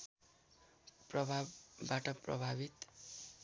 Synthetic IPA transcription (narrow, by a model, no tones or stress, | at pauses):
prʌbʱabːaʈʌprʌ̰bʱabit̪